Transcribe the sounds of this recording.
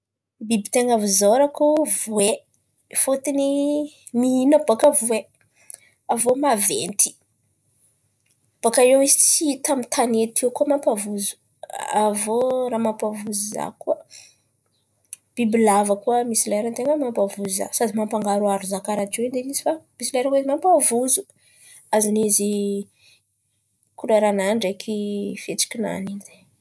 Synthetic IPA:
bibit̪eŋavuzoɾakuvue | fot̪ini | miinabakavue | avomavent̪i̥ | b̥akaewizit͡sit̪amit̪ʰanet̪ʰiwkumampavuzu̥ | avoɾamampavuziza̰kuə | b̥ibilavakuamisilaeɾant̪eŋəmampavuzuza̰sad̪imampaŋɡaɾuaɾuzakaɾaʈ͡ʂeid̪enizi̥famisilaeɾakezimampavuzu | azinizi | kulaɾanaɳɖ͡ʐekʰifet͡si̥kʲina̰ninze̥

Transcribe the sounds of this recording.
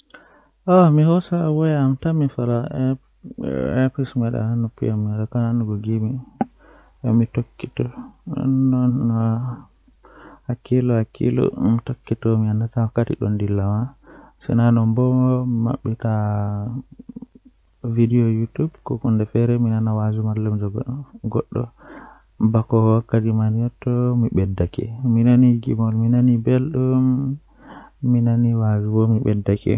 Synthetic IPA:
ʔɔmihɔsawɔjaamtamifala | ɛpismɛɗa̰anɔpḭjamɛɗakananuɡɔɡimi | ɔmitokːitɔnɔ̰nːɔn | hakilɔhakʰḭlɔ̰mitokːitɔmiandatawakːatḭɗɔ̰ndilːamasɛ̰nanɔmbɔɔmima̰ɓːita | vidiɔjutubkɔkundɛfɛɾɛminanawazumaɾlɛmd͡ʒɔɡɔ̰ɗːɔ | bakɔwakːatimanijɔtːɔmiɓɛdːakɛ̰minaniɡḭmɔlminanibelɗum | inaniwazubɔmiɓɛ̰dːakɛ̰

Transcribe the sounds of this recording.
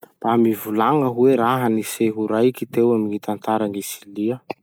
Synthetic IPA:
b̥amivulaŋəɦuweɾaɦaniseɦuɾajkit̪ewaminit̪ant̪aɾanisiliə

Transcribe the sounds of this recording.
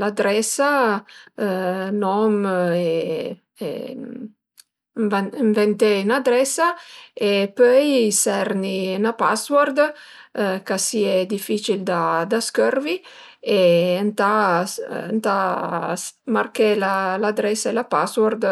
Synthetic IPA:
lad̪ɾɛsa | nɔme | ḛ | viɱvɛnt̪enad̪ɾɛsaepøjsɛɾninapa̰swɔɾd̪ | kasiɛd̪ifit͡ʃild̪ad̪askørvi | ent̪a | nt̪a | markelalad̪ɾɛsaelapaswɔɾd̪

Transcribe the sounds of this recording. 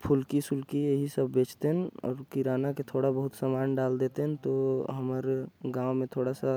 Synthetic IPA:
pʰʊlkisʊlkieɦisəbʱːeːt͡ʃt̪eɦɛnɔ̰ːɾkiɾaːnaket̪ʰoːɽabəɦʊt̪səmaːnɖald̪eːt̪eɦɛ̃nt̪oɦəməɾɡãːwmẽt̪ʰoːɽasa

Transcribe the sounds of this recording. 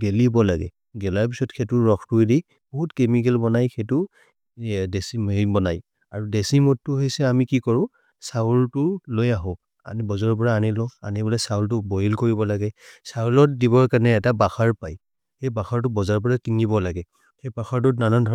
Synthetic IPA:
ɡelibɔlaɡɛ̰ | ɡɛlaɹp̬isɔtxʰetuɹɔxtujdi | b̥ɔɦutkemik̬ɛlbɔnajxetu | desimbɔnaj | aɹudesimɔtːʊɦejsɛamikikɔɹʊ̃ | saltʊlojaɦɔ̃ | a̰nibɔzaɹpɔɹaːnilɔa̰nibɔlɛsawltʊbɔjilkoɹibɔlaɡɛsalɔtdiβɔɹkanɛːtabaxaɹpaj | xejbaxaɹt̬ʊbɔzaɹpɔɹakiŋibɔlaɡɛ | xebaxaɹt̬unanɔndʱɔ

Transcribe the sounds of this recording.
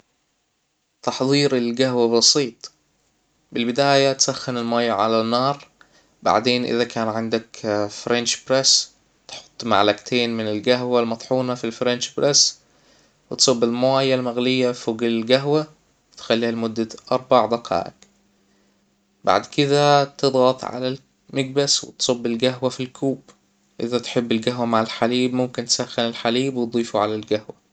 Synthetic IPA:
t̪ɑħðˤiːɾɪlɡaɦwabɑsiːt̪ˤ | bɪlbɪd̪aːjat̪saxːɪnɪlmajʕalanːɑːɾˤ | ba̰ʕd̪eːnʔɪ̰ðakʰaːnʕɪnd̪akfɾɛnʃbɾas | t̪ħʊ̥t̪ˤːma̰ʕlaɡt̪ʰeːnmɪnɪlɡaɦwalmɑt̪ˤħuːnafilfɾɛnʃbɾas | wɪt̪sˤobːɪlmʊwæːjːalmæɣlɪjːafoːɡɪllɡæɦwa | wɪt̪xælːiːhalmʊd̪ːaʔɑɾˤbɑʕd̪ɑqʰɑ̰ːʔɪ̰k | ba̰ʕd̪kɪd̪æt̪ɨd̪ˤɣɑt̪ˤʕa̰lal | maɡ̚baswɪ̰t̪sˤobːɪlɡæɦwafilkʰuːb | ʔɪ̰ðæt̪ħɪbːɪlɡaɦwamaʕalħaliːbmʊmkɪnt̪sæxːɪnɪlħaliːbwt̪̚d̪ˤiːfuʕalalɡahwa

